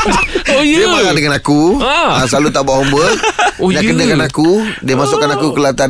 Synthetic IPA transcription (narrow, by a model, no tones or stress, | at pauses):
oəmaladəŋanakuasəlalut̪aʔbaʔɦombəɲaʔkədəkanakudiəmasʊʔkanakukəlat̪a